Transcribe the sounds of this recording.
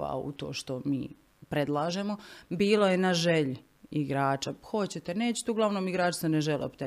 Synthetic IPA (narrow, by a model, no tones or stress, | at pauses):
a̰ṵt̪o̞̰ːʃt̪o̞mḭː | pɾe̞d̪lˠaːʒemobiːlojenaʒeʎ | iɡɾaːt͡ʃaxo̞t͡ɕet̪ene̞ːt͡ɕe̥t̪euɡlˠaʋnomiɡɾaːt͡ʃi̥saneʒelˠopt̪e